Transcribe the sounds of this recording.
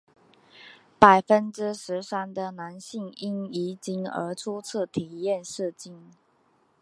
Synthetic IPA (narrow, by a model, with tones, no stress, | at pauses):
pa˨˩ɪfə˦nʈ͡ʂɻ̩˥ʂɻ̩˧˥sa˥nd̪ə˨na˧˥nɕi˥˩ŋi˥ŋi˧˥˩t͡ɕi˥ŋə̰˧˥ʈ͡ʂʰu˥t͡s̩ʰ˥˩t̪ʰi˨˩jɛ˥˧nʂɻ̩˥˧t͡ɕi˥˩n